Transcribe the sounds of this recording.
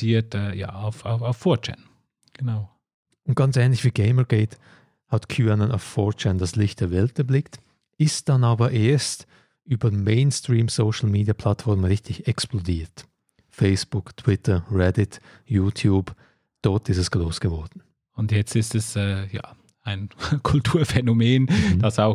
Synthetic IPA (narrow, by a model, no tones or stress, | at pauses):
iːɐtɛja̰ːaʊfaʊaʊfːɔɐt͡ʃɛ̰n | ɡ̥ənaʊ | ʊnt̚ɡ̥ɑnt͡sɛːnlɪçv̥iːɡeɪməɡ̥ɛɪt | hɑtkʰjuːanənʔa̰ʊffɔt͡ʃɛndaslɪçt̚d̥eːɐvɛltɛɐblɪkt | ɪst̚d̥anaːbɐʔeːɐst | ʔyːbɐmeɪnstʁ̥iːmsoʃl̩meːdiapʰl̥atfɔʁmnʁɪçtɪçɛksplodiːɐt | feɪsb̥ʊktʰw̥ɪtʰəʁɛdɪt | juːtʰjuːb̥ | d̥ɔɐtɪstɛsɡ̥ʁoːsɡ̥əvɔɐd̥n̩ | ʊntjɛt͡stɪstɛsɛːja̰ː | aɪnkʰʊltʰuːɐfɛnomeːnd̥asaʊ